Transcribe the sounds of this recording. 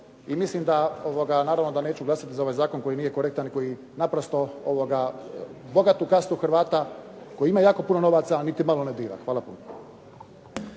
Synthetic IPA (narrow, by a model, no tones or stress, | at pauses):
imislimd̪aoʋoɡanaːɾaʋno̞d̪ane̞ːt͡ɕuɡlˠasat̪izao̞ʋajzaːkonko̞jiniːje̞ko̞ɾe̞k̚t̪aniko̞ji | napɾost̪o̞oʋoɡa | bo̞ɡat̪ukast̪uxɾʋaːt̪akojiimajaːko̞punono̞ʋaːt̪sanit̪imalo̞ned̪iːɾa̰xʋaːlˠapṵno